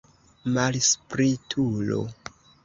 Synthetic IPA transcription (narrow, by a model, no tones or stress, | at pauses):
malspɾitʰulo̰